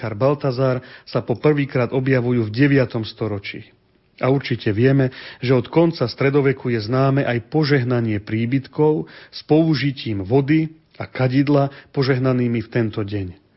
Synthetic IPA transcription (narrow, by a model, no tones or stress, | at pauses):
aɾbalt̪azaːɾsapɔpr̩ʋiːkɾaːd̪ɔbjaʋujuːvɟɛʋɪat̪ɔmst̪ɔɾɔt͡ʃḭ | ʔauɾt͡ʃicɛʋɪɛmɛʒɛɔt̪kɔnt͡sast̪ɾɛd̪ɔʋɛkujɛznaːmɛʔajpɔʒɛɦnaɲɪɛpɾiːbit̪kɔʊspɔuʒiciːmʋɔd̪i | akaɟid̪lapɔʒɛɦnaniːmift̪ɛnt̪ɔɟɛɲ